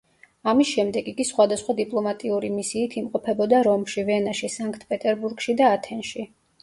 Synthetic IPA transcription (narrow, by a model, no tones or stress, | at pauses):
amisʃɛmd̪ɛɡiɡisχwad̪asχwad̪ipʼlˠɔmat̪ʼiuɾimisiːt̪ʰimqʼɔpʰɛbɔd̪aɾɔmʃivɛnaʃisaŋkʰt̪ʰpʼɛt̪ʼɛɾbuɾɡʃid̪aːt̪ʰɛnʃi